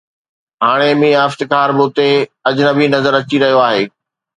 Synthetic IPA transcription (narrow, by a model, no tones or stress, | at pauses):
ɦaːɽ̃emĩəft̪ɪkaːɾbʊːt̪eɐd͡ʑnəbʱinɐzəɾɐt͡ɕiɾɐɦijoaːɦeː